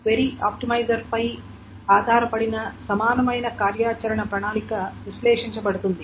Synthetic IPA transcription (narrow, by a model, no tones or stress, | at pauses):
ʋeɾia̰ːp̚ʈimɐjd͡ʒɐɾpɐj | aːd̪ʱaːɾɐpɐɽinɐsɐmaːnɐmɐjnɐkaːɾjaːt͡ʃɐɾɐɳɐpɾɐɳaːnikɐʋislɛːʂiɲt͡ʃɐbɐɽut̪und̪i